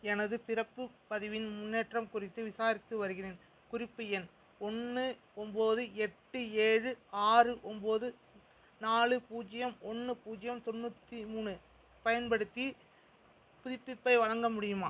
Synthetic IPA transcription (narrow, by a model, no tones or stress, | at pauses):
ɛnɐðɯpɪrɐpːɯpɐðɪʋɪnmʊnːeːʈrɐmkʊrɪt̪ːɯʋɪsaːɾɪt̪ːɯʋɐɾɯɣɪreːn | kʊrɪpːɯjɛn | ɔnːɯ | ɔmboːðɯɛʈːɯeːɻɯaːrɯʔɔmboːðɯ | naːɭɯpuːd͡ʒɐjɐmɔnːɯpuːd͡ʒɪjɐmt̪ɔnːut̪ːimuːnɯ | pɐjɐnpɐɽɯt̪ːi | pʊðɪpːɪpːɐɪʋɐɻɐŋɡɐmʊɽɪjɯma̰ː